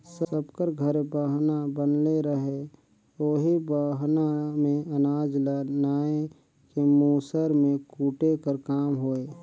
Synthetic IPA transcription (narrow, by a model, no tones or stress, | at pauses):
səəbkəɾɡʱəɾbaːɦnabənleɾəɦe | oːɦibaːɦnamẽɐnaːd͡ʒlənaːe | kemuːsəɾmẽkuːʈekəɾkaːmɦoːeː